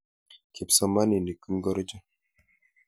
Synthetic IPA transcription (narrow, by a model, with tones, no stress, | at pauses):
ki˨psa˨ma˦ni˨ni˨ki˦mɡɔ˦ɾɔ˦d͡ʒa˦